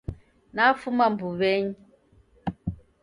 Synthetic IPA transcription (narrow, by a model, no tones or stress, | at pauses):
nafumam̩buβɛɲ